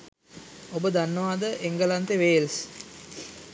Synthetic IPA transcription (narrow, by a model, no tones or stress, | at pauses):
obəd̪anːəʋaːd̪əʔeŋɡəlant̪eʋeːls